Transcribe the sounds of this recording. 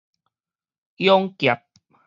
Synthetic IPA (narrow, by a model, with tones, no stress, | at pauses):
jɔ˦ŋkja˨p̚